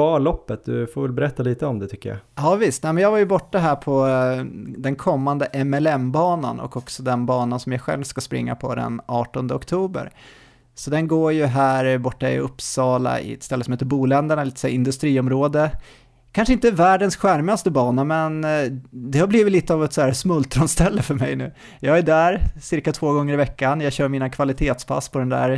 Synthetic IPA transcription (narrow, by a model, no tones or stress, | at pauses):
ɑːlɔpːət̪̚d̪ɵfoːvɛlbɛɾɛt̪ːaliːt̪əɔmd̪ɛt̪ʰʏkːəja̰ɑːvɪst̪nɛɪmɛnjɑːɡvaɾjɵbɔʈːaɦæːpʰɔ | d̪ɛnkʰɔmːand̪əʔɛmɛlɛmbɑːna̰nɔ̰kːɔksɔd̪ɛnbɑːnansɔmjaɧɛ̰lvskaspɾɪ̰ŋːa̰pʰɔd̪ɛ̰nɑːʈɔnd̪əɔkt̪ʰuːbə̰ɾ | sɔd̪ɛnɡoːɾjɵɦæːɾbɔʈːaɪ̰ɵpsɑːla̰ɪ̰ɛ̰t̪st̪ɛləsɔmheːt̪ːɾbuːlɛnd̪əɳalɪt̪sɛjɪnd̪ɵst̪ɾiːɔmɾoːd̪ə | kʰanʂəɪnt̪əvæːɖənsɧæɾmast̪əbɑːnamɛn | d̪ɛhabliːvɪt̪liːt̪əavɛt̪sɔæːɾsmɵlt̪ːɾɔnst̪ɛlːəfœɾmɛ̰jnʉ̟ː | jɑːɡæɖæːɾsɪɾkat̪ʰvoːɡɔŋːəɾɪvɛkːanjɑːɡɕœːɾmiːnakʰvalɪt̪ʰeːt̪spʰa̰sːpʰɔd̪ɛnd̪æ̰ːɾ